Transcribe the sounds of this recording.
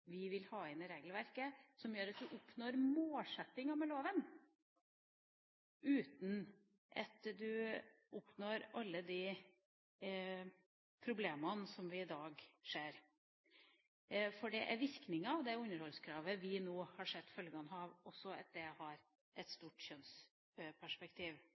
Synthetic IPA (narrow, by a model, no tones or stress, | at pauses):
ʋɪʋɪlhɑːɪnɛɾeːɡlʋæɾkəsɔmjøːɾɑt̪̚d̪ʉʔʊpnoːɾmoːlʂɛt̪ːɪŋɑmɛloːʋən | ʔʉːt̪n | ʔɑ̰t̪d̪ʉ | ʔʊpnoːɾʔɑlːəd̪ɪ | pʰɾʊbleːmɑnsɔmʋɪɪd̪ɑːɡʂeːɾ | fɔɖɛʔæ̰ɾʋɪɾknɪŋɑʋd̪ɛʉnəɾhɔlskʰɾɑːʋəʋɪnoːhɑʂɛd̪ːfœlɡɑnhɑːʋɔsːɔɑ̰t̪̚d̪ɛhɑɾ | ʔɛt̪st̪uːʈɕœns | pʰæʂpɛkt̪ʰiːʋ